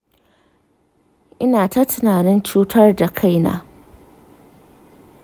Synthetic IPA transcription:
ʔɪ˦naː˨ta˦tʊ˨naː˨nɪ˦nt͡ʃuː˦tʰɐ˦rda˨kʰa˦jna̰ː˦

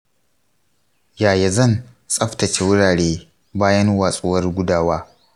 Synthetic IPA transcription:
jaː˨ja˨zɐ˦˨n | sʼɐ˦ɸtɐ˨t͡ʃe˦wʊ˦ɽaː˨ɽeː˦ | baː˦jɐ˦nwaː˨sʼʊ˦wɐ˦rɡʷʊ˦daː˦waː˦

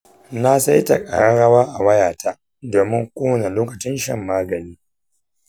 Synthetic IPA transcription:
na˦sa˦jta˨kʼa̰˨ɽa˦ɽɐ˦waː˦ʔa˨wɐ˦jaː˨ta˦ | doː˨mɪ˦ŋkʷʼoː˦na˨loː˦kɐ˨t͡ʃɪ˦nʃɐ̰˦˨mːaː˦ɡɐ˨niː˦

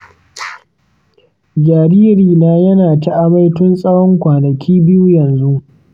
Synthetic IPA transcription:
d͡ʒaː˨ɾiː˦ɾiː˨naː˦jɐ˦naː˨ta˦ʔa˦mɐ˦jtʊ˦nsʼɐ˦wɔ˦ŋkʷaː˨nɐ˨kʲiː˦bɪ˦ju˦jɐ˨nzu˦ʔ

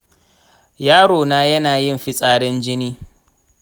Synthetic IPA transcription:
jaː˦ɽoː˨naː˦jɐ˦naː˨jɪ˦˨mɸi˦sʼaː˦ɽɪ˦nd͡ʒɪ˦niː˦

